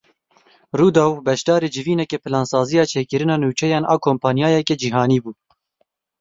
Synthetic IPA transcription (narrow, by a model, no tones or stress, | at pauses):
ruːd̪ɑːwbɛʃd̪ɑːɾeːd͡ʒɨviːnɛkɛpʰɨlɑːnsɑːzijɑːt͡ʃʰeːkɨɾɨnɑːnuːt͡ʃʰɛjɑːnɑːkʰoːmpʰɑːnjɑːjɛkɛd͡ʒiɦɑːniːbuː